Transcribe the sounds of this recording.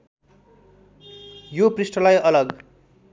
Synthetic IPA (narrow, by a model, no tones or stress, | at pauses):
joprisʈʌlajʌlʌɡ